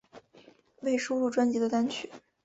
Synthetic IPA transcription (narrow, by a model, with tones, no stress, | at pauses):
we˥˩ɪʂo˥ʊlu˥˩ʈ͡ʂwa˥nt͡ɕi˧˥d̪ə˧t̪a˥nt͡ɕʰy˥˩˦